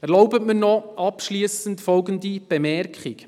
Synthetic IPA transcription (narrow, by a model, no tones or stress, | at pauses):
ɛɾloʊbətmənɔʔɑpʃliːsəntfɔlɡənd̪ib̥emɛrkχik